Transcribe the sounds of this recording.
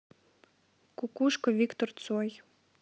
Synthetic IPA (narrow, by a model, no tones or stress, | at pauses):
kukuʃkɔʋʲikt̪ɔrt̪sɔj